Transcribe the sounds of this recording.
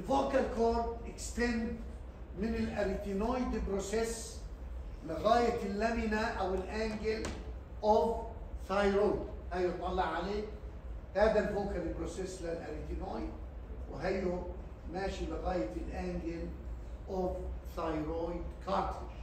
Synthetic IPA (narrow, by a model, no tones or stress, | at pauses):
ʔɪlvoːkalkoːɾd̪ʔɪkst̪end̪ | mɪnɪlʔaɾit̪inojd̪ɪlbɾoses | lɪɣaːjalːæmɪnaʔawɪlʔæːŋɡɪl | ʔovθajɾojd̪hæjot̪ˤːɑlːɑʕʕaleː | hæːðalvoːkalɪlbɾoseslɪlʔaɾit̪inojd̪̚ | wɪ̰ɦajo | mæːʃilɪɣaːjalʔæːŋɡɪlʔovθajɾojd̪kʰɑːɾt̪ɪʃ